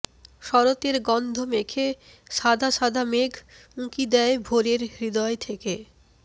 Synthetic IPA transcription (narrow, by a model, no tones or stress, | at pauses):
ʃɔɾot̪eɾɡɔnd̪ʱomekʰe | ʃad̪ʱaʃad̪ʱameɡʱ | mũkid̪ɛebʱoɾeɾɾid̪ɔet̪ʰeke